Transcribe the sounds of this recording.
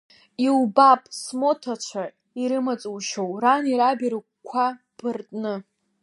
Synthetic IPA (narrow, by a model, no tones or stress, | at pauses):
ilbapʼsmo̞tʰat͡ʃʷʰa | iɾɨmat͡sʼuwʃowraniɾabiɾɨk̚ʷkʷʰa | b̥ɨrtʼnɨ